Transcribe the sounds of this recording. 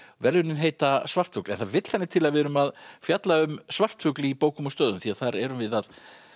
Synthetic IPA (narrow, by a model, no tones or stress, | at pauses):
vɛɾðʏnɪnɦeːjt̪asvar̥t̪fʏklɛnθaðvɪt̪l̥θanːɪt̪ʰɪlaðvɛɾʏmaðfjat̪laʏmsvar̥t̪fʏklɪipoːwkʏmɔst̪œːðʏmθiaðθaɾɛɾʏmvɪðað